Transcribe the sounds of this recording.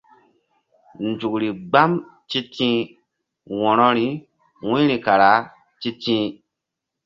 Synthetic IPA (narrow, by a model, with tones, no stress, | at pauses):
nd͡ʒu˨kɾi˨ɡ͡ba˦m | t͡ʃi˦tĩ˦ | wɔ˨nɔ˦ɾi˦ | wũ˦ɾi˨ka˨ɾa˨˦ | ti˦tĩː˦